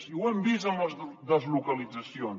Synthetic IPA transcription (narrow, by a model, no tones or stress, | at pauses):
iuɐ̃mbizɐ̃mɐðɐzlukɐlˠizɐsjõn